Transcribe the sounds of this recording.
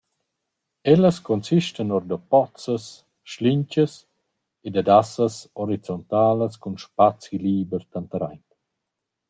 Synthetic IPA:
ɛləskɔnsiʃtənɔɾd̪ɔpɔt͡səs | ʃliɲcəs | ed̪ad̪asəsɔɾit͡sɔnt̪aːləskunʃpat͡siliːbəɾt̪ant̪əɾajnt̪

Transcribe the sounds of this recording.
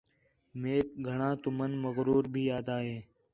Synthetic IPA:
meːkɡʱəɳãːt̪ʊmənməɣɾuːɾbʱiːjaːd̪aːɦeː

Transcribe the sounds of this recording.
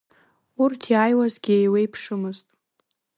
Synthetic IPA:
urtʰiajwazɡʲiejwejpʰʂɨmɨztʼ

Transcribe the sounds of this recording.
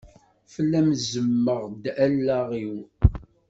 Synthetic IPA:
fəlːæmzəmːəʁd̪ælːæʁiw

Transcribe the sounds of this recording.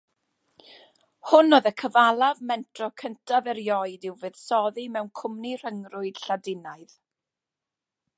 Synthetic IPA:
hʊnoːðəkʰəvalˠavmɛntʰrɔkʰəntʰavɛɾjɔɨdɪwvɨð̥sɔðimɛwnkʰʊmnir̥əŋrʊɨd̥ɬadɪnaɨð

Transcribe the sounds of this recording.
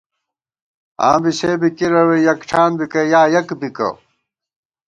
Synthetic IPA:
ã̰ːbiɕebikiɾɐwejɐkʈ͡ʂʰaːnbikɐjaːjɐkbikɐ̰

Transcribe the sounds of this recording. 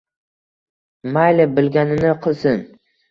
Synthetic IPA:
majlɪbɪlɡʲanɪnɪqʰɨlˠsɪn

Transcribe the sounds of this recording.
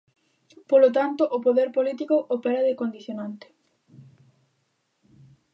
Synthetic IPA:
polot̪ant̪ʊʔʊpoðɛɾpolit̪ikʊʔopɛɾɐðekond̪iθjonant̪ɪ̥

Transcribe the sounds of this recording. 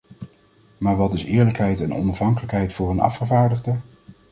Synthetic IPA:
maːɹʋɑtɪsɪːɹləkɦɛjtɛnɔ̰nɑfɦɑŋkələkɦɛjtfʊːrənɑ̰fχəvaːɹdəχdə

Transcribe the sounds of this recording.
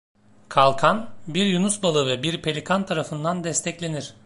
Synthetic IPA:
kʰalˠkʰanbiɾjunusbalˠɯvɛbiɾpʰe̞lʲikʰant̪ʰaɾafɯnd̪and̪ɛst̪ʰɛclʲeniɾ̥

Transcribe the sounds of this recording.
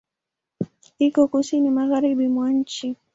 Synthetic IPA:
ikɔkusinimaɣaɾiɓimwaɲ̩t͡ʃi

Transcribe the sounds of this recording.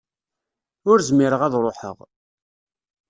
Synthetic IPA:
ʊɾzmiɾəʁæðɾˤoħə̰ʁ

